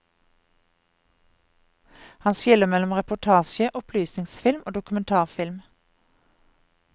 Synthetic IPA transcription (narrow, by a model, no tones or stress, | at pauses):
hɑnsɪləmɛlɔmʁɛpʊʈ̪ʰɑːʃəʔʊpʰlyːsnɪŋsfɪlmʔoːd̪ʊkʉmɛnt̪ʰɑːʁfɪlm